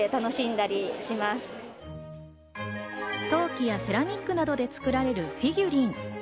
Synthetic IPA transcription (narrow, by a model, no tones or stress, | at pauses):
et̪ano̞ɕĩnd̪aɾʲiɕimasɨ̥ | t̪o̞ːkʲijase̞ɾamʲikːɯ̟nad̪o̞d̪e̞t͡sɨ̥kɯ̟ɾaɾe̞ɾɯ̟ɸʲiɡʲɯɾʲĩŋ